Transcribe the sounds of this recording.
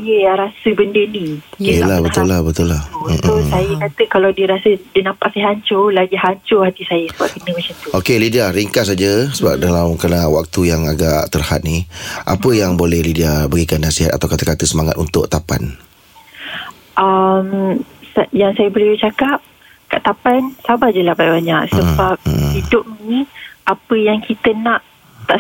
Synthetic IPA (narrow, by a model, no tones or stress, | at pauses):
jəjaɾasəbəndənijəlabət̪ʊlːahbət̪ʊlːah̩sajəkat̪əkalawdiəɾasədinampaʔsiɦaɲt͡ʃolaɡiɦaɲt͡ʃʊhat̪isajəsəbaʔ̚kənəmat͡ʃamt̪uokelidiaɾiŋkasad͡ʒəsəba̰p̚dalamkɾənawak̚t̪ujaŋaɡaʔt̪ərha̰t̪̚niʔa̰pəjaŋbolɛhlidiabəɡikanːasiɦat̪̚at̪awkat̪əkat̪əsəmaŋat̪unt̪ʊk̚t̪apa̰n | ʔamsjaŋsajəbəliət͡ʃakap̚ | kaʔt̪apansabad͡ʒəlahbajbaɲaʔsəbap̚idʊʔ̚nĩʔapəjaŋkit̪ənaʔ | t̪aʔ